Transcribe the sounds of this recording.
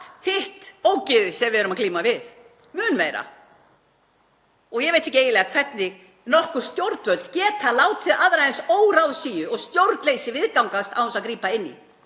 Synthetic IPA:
hɪht̪oːwcɪðɪsɛmvɪðɛɾʏmakliːmavɪθ | mʏːnmeːjɾa̰ | ɔɣjɛɣvejt̪hɛçcːɪeːjɪlɛːɣakʰv̥ɛt̪nɪɣ | nɔrhkʏɾ̥st̪jowɾt̪vœl̥t̪cɛːt̪θalaːwt̪ʰɪðʔaðɾaðɛnsoːwɾawðsiːjʏɔɣst̪jowɾt̪nlejsɪvɪðkawŋkast̪a̰whɛnsaðkɾiːpaɪnːḭ

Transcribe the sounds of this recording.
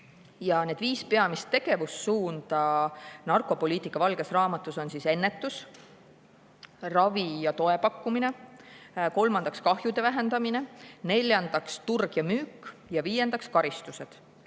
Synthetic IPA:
jɑne̞ːd̪viːspe̞ɑmist̪ːe̞ɡ̥e̞vusːuːnd̪̥ɑnɑrko̞po̞liːt̪ˑikːˑɑvɑlɡ̥e̞srɑːmɑt̪ːˑuso̞nsise̞nːe̞t̪ːˑus | rɑvijɑt̪o̞e̞pɑkːumine̞ | ko̞lmɑnd̪̥ɑkskɑhjud̪̥e̞væɦe̞nd̪̥ɑmine̞ne̞lʲjɑnd̪̥ɑkst̪urɡ̥jɑmyːkːjɑviːje̞nd̪ɑkskɑɾist̪use̞d̪̥

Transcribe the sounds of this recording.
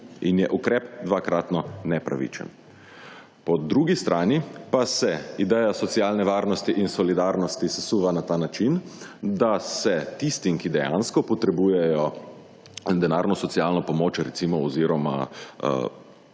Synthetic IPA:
injɛʔukɾɛːpd̪ʋakɾat̪nɔnɛpɾa̰ʋḭt͡ʃɛ̰n | pɔd̪ɾuːɡist̪ɾʔaːnipasɛid̪ɛjasɔt̪sialnɛʋaːɾnɔst̪iʔinsɔlid̪aɾnɔst̪isasuːʋanat̪aːnat͡ʃind̪asɛt̪ist̪imkid̪ɛja̰nskɔpɔt̪ɾɛbuːjɛjɔ | d̪ɛnaːɾnɔsɔt̪sialnɔpɔmoːt͡ʃɾɛt̪simɔɔziɾɔma̰

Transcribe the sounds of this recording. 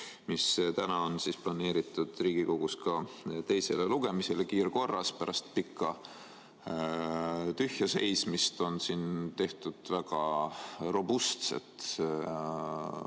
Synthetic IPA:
mist̪ænɑo̞nsisplɑne̞ːɾit̪ːˑud̪̥riːɡ̥iko̞ɡ̥uskɑt̪e̞jse̞leluɡ̥e̞mise̞lekiːɾko̞rːɑspæɾɑst̪̚pikːˑɑ | t̪yhjɑse̞̰jsmist̪o̞nsint̪e̞ht̪ud̪̥væɡ̥ɑro̞bust̪se̞̰t̪

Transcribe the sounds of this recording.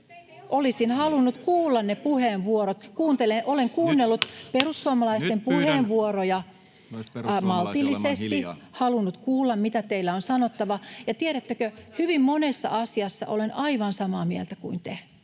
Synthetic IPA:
ʔolisinhɑlunːut̪kuːlːɑnnepuheːnʋuoɾot̪kuːnt̪eleʔoleŋkuːnːelːut̪perusːuomɑlɑist̪empuheːnʋuorojɑ | mɑlt̪ilːisest̪ihɑlunːut̪kuːlːɑmmit̪æt̪eilːæonsɑnot̪ːɑʋɑjɑt̪ieɾæt̪ːøkøhyʋimmonesːɑ̰ʔɑsiɑsːɑ̰ʔo̰lenɑiʋɑnsɑmɑːmielt̪ækuint̪e

